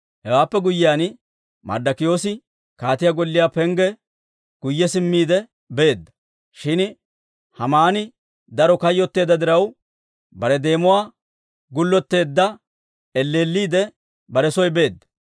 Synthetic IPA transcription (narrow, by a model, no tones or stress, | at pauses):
hɛwaːpːɛɡʊjːɪjaːn | mʔɐ̰d̪ɐkɪjo̞ːsɪ | kaːt̪ɪjaɡɔlːɪjaːpɛŋɡɛ | ɡ̥ʊjːɛsɪmːiːd̪ɛ | be̞ːd̪ːɐ̥ | ʃɪn | hɐmaːnɪ | d̪ɐɾɔkɐjːɔt̪ːe̞ːd̪ɐd̪ɪɾɐw | bɐɾɛd̪e̞ːmʊwaː | ɡʊlːɔt̪ːe̞ːd̪ːɐ | ɛlːe̞ːlːiːd̪ɛ | bɐɾɛsɔjbe̞ːd̪ːɐ̥